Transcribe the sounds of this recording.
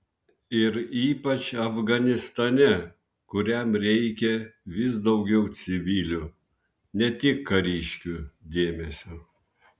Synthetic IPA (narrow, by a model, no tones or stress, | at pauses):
ɪɾiːpɐt͡ʃɐfɡɐnʲɪst̪ɐnʲɛ | kʊɾʲɛmɾʲɛɪkʲɛʋʲɪs̬d̪ɒʊɡʲɛʊsʲɪʋʲiːlʲu | nʲɛt̪ʲɪkːɐɾʲiːʃʲkʲud̪ʲeːmʲɛsʲo